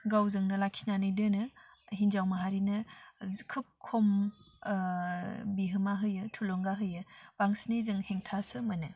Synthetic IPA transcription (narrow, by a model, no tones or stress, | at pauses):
ɡawzɯŋnɯlakʰinanɯjdɯnɯ | hind͡ʒawmaɦaɾinɯkʰɯp̚kʰom | biɦɯmaɦɯjɯtʰulɔŋɡaɦɯjɯb̥aŋsinɯjzɯŋheŋtʰasɯmɐnɯ